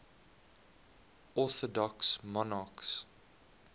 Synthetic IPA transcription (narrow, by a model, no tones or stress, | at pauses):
ɔθɔdɔksmɔnɑks